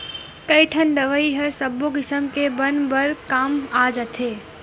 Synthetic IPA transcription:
kɐiʈʰənɖ̪əʋəiɦəɾsɐboɡɪsəmkebɐnbɐɾkaːmaːd͡ʒɐt̪ʰeː

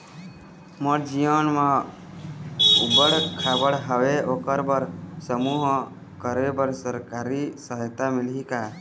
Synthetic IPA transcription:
məɾd͡ʒijənmã | ubəɽkʰabəɽɦəweʔokəɾbəɾsəmuɦ | kəɾebəɾsəɾkaɾisəɦjt̪amilɦika

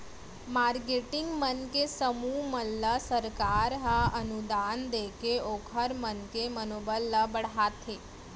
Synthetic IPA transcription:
maɾkeʈiŋɡmənkesəmuməlːəsəɾkaɾɦə̃ənud̪and̪ekeokʰəɾmənkemənobəlːəbəɽɦat̪ʰe

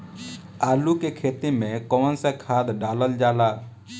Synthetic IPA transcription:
alukekʰet̪imẽkɔːnsə̃kʰad̪ɖaləld͡ʒala

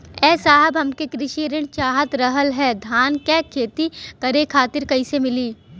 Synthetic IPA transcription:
ɛːsaːɦəbɦɐmkekɾɪʃiɾɪɽ̃t͡ʃaːɦət̪ɾɐɦəlɦɛːd̪ʱaːnkɛːkʰeːt̪ikɐɾekʰaːt̪ɪɾkɐɪsemɪliː

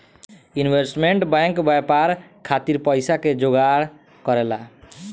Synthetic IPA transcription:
junbesʈmeɳʈbãŋkbajpaɾkʰat̪iɾpʌjsaked͡ʒoɡaɽ | kʌɾela

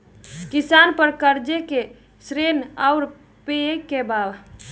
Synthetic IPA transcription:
kisanpəɾkəɾd͡ʒeke | sɾenaʊɾ | peekːebab

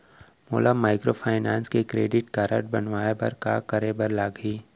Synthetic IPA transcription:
mo̰ːlamaːɪkɾopʰaːɪnaːnskekɾeːɖɪʈkaːɾə̰ʈ̚bɐnʋaːebɐ̰ɾka̰ːkəɾebɐɾlaːɡiː

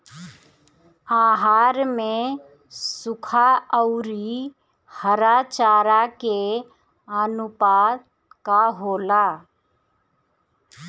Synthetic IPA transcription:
aːɦaːɾmẽ | sʊkʰaəʊɾi | həɾaːt͡ʃaːɾake | ənʊpaːt̪ | kaɦoːlaː

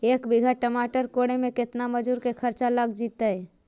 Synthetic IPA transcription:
ekbiɡʱəʈəmaʈəɾkoɽemeket̪naməd͡ʒuɾkekʰəɾt͡ʃaləɡd͡ʒit̪əj

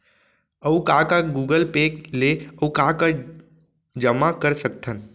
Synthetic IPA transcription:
əukakaɡuːɡəlpeːkleəukaːka | d͡ʒəmakəɾsək̚t̪ʰən

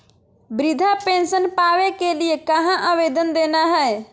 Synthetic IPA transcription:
bɾɪd̪ʱapẽːnsənpaːʋekelɪekəɦãʔaʋeːd̪ənd̪eːnaɦɛe

